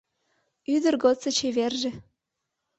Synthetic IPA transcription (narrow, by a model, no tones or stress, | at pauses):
yd̪ə̆rɡot͡sːɤ̆t͡ɕeβerʒĕ